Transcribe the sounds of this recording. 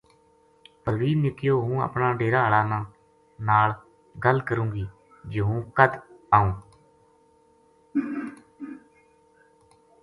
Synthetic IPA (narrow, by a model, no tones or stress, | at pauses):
pəɾʋiːnɪkɪjoːɦũːə̰pnãːɖeːɾaːɭaːnãː | naːl | ɡəlkəɾũːɡiː | d͡ʒɪɦũːkət̪aːũː